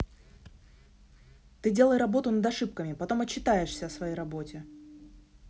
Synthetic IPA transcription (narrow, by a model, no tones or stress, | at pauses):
t̪ɨdʲe̞lˠəjrɐbo̞t̪ʊnəd̪ɐʂɨpkəmʲɪpɐt̪o̞mɐt͡ɕːɪt̪ajɪʂsʲəːsvɐjejɾɐbo̞tʲɪ